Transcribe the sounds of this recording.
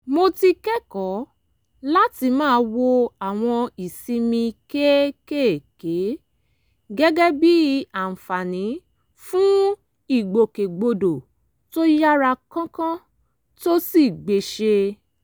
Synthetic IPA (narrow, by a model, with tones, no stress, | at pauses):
mo˧ti˧kɛ˦kɔ˨˦ | la˦ti˧mãː˦˧˦wo˧a˦˨w̃ɔ̃˧i˨sĩ˧mĩ˧ke˦ke˦˨ke˨˦ | ɡɛ˦ɡɛ˦bi˦a˨n̩˨fa˨nĩ˨˦ | fũ˦ | i˨ɡ͡bo˨ke˨ɡ͡bo˧do˨ | to˦ja˦ɾa˧kã˦kã˦ | to˦si˦˨ɡ͡be˨ʃe˧